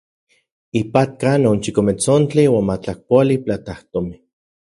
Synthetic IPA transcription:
ipat̪̚kanont͡ʃikomet͡sont͡ɬiwaːnmat͡ɬahpʷaliplat̪aht̪ome

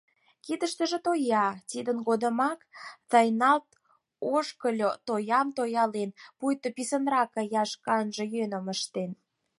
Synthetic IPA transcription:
kid̪əʃt̪ə̆ʒĕt̪ojɑt̪id̪ənɡod̪ə̆mɑkt̪ɑjnɑlt̪ | oʃkəlʲot̪ojɑmt̪ojɑlenpujt̪ŏpisənrɑkə̆jɑʃkɑnʒə̆jønə̆məʃt̪en

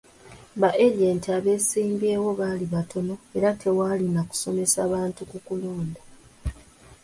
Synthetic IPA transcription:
baʔeʎeːntiaβe̞siːmbeːwo̞βaːliβatʰo̞no̞e̞ɾatʰe̞waːlinaku̥so̞me̞saːβaːntukukuloːnda

